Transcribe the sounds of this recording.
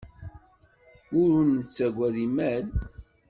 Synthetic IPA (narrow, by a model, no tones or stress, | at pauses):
ʊɾʊnət͡sːæɡʷæðimæl